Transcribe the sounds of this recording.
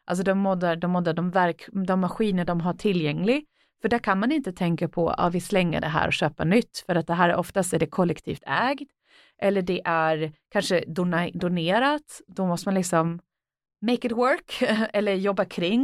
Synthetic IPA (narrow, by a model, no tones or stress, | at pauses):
ʔals̬ɔd̪ɔmːɔd̪aɖɔmːɔd̪ːaɖɔmvæɾkd̪ɔmːaɧiːnəɖɔmɦaʈʰɪlːjɛŋːlɪɡ | fœɖæɾkʰanmanɪnt̪ət̪ʰɛŋkapʰɔ̰a̰ːvɪslɛŋːə̰ɖɛɦæ̰ːɾʔɔ̰ɕøːpa̰nʏt̪ːfœɾat̪̚d̪ɛɦæːɾʔɔft̪ast̪æɖɛkʰɔlːɛkt̪ʰḭːft̪ʰɛːɡd̪ | ʔɛlːəɖɛʔæɾkʰanʂəd̪ʊnd̪ʊneːɾat̪d̪ɔmɔst̪əmanlɪksɔm | mɛɪkɪt̪wœɾkɛlːəɾjɔbːakʰɾɪŋː